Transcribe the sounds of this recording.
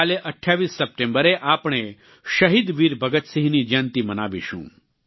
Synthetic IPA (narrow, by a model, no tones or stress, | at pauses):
aleʔəʈʰjaːʋisːɐp̚ʈẽmbəɾeʔaːpɳ̃e | ʃɐɦid̪ʋiːɾbʱəɡət̪siɦnid͡ʒãːnt̪imənaːʋḭʃṵ̃ː